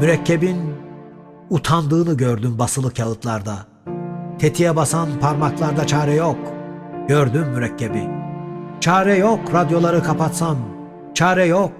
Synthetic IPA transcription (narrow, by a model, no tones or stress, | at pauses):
myɾɛcʰːebin | ut̪ʰand̪ɯːnɯɟøɾd̪ymbasɯlˠɯkjaɯt̪lˠaɾd̪a | t̪ʰe̞t̪ʰijɛbasanpʰaɾmaklˠaɾd̪at͡ʃʰaːɾɛjok | ɟøɾd̪ymːyɾɛcʰːebi | t͡ʃʰaːɾɛjokɾad̪jo̞lˠaɾɯkʰapat̪san | t͡ʃʰaːɾɛjok̚